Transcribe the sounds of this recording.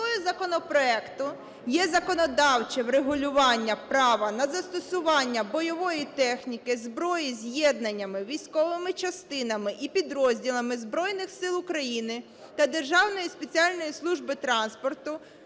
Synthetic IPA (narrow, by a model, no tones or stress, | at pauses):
ɔjʊzɐkɔnɔpɾɔɛkt̪ʊ | jɛzɐkɔnɔd̪ɑwt͡ʃɛwɾeɦʊlʲʊʋɑnʲːɐpɾɑʋɐnɐzɐst̪ɔsʊʋɑnʲːɐbɔjɔʋɔjit̪ɛxnʲikɪzbɾɔjizʲjɛd̪̚nɐnʲːɐmɪʋʲijsʲkɔʋɪmɪt͡ʃɐst̪ɪnɐmɪʔipʲid̪ɾɔzʲdʲilˠɐmɪzbɾɔjnɪxsɪlˠʊkɾɐjinɪ | t̪ɐd̪e̞rʒɑwnɔjispet͡sʲiɑlʲnɔjislˠuʒbɪt̪ɾɑnspɔrt̪ʊ